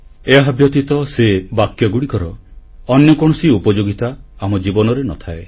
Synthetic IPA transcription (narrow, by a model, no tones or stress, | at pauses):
eɦabjɔt̪it̪ɔsebakjɔɡuɽikɔɾɔɔnjɔkɔɽ̃ɔsiupɔd͡ʒoɡit̪aamɔd͡ʒibɔnɔɾenɔt̪ʰae